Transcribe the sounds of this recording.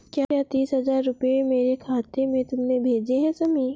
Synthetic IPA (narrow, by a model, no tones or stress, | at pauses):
kjaːjat̪iːsɦɐzaːɾːʊpemeːɾekʰaːt̪emẽt̪ʊmnẽbʱeːd͡ʒeɦɛ̃sɐmiː